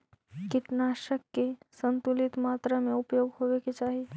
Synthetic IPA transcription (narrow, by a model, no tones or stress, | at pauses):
kɪʈnaːʃəkːesə̃nt̪ulɪt̪maːt̪ɾəmẽʊpjoːɡɦoʋeket͡ʃaːɦi